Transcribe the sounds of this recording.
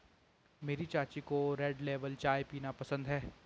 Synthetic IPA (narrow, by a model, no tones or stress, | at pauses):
meːɾit͡ʃaːt͡ʃikoɾɛːɖleːʋəlt͡ʃaːjpiːnapɐsə̃nd̪ɦɛː